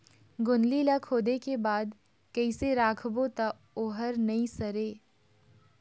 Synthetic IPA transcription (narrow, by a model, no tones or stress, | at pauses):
ɡʊnlilakʰoːd̪ekebaːd̪ | kɐiseɾaːkʰbot̪a | oːɦəɾnɐĩsɐɾeː